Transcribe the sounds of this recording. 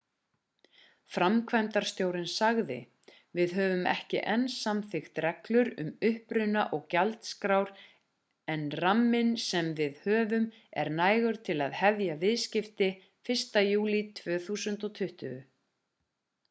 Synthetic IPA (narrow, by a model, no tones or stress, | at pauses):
fɾamkʰvɛnt̪aɾ̥st̪joːwɾɪnsaɣðɪ̰ | vɪðɦœːvʏmɛ̰hcɪ̰ʔɛnsːamθɪxt̪ɾɛklʏɾʏ̰mʏhpɾʏnaʔɔɣcalt̪skɾawɾ̥ | ɛnramːɪnsɛmvɪðhœːvʏm | ɛ̰ɾnaːjɣʏɾ̥t̪ʰɪlaðhɛvjavɪðscɪft̪ɪ | fɪr̥st̪ajuːlit̪ʰv̥œːθuːsʏnt̪ɔt̪ʰʏht̪ʏʏ